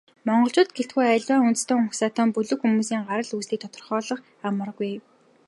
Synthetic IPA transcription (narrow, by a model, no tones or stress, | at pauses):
mɔɴɢɞ̆ɬt͡ɕʊːt̪̚ɡet̪ɡujæɮwaːŋunt̪̆st̪oːmʊxsaːt̪ʰɔːmpɵɮɵ̆kxumuːsiːŋɢaɾə̆ɮuːsiːkt̪ʰɔt̪ɞ̆rχɔːɮə̆χ | amə̆rɣuj